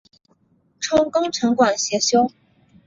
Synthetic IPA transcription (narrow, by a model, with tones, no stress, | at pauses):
ʈ͡ʂʰʊ˥ŋkɤ˥ŋʈ͡ʂʰɤ˧˥ŋkwa˨˩nɕjɛ˧˥ɕjo˥ʊ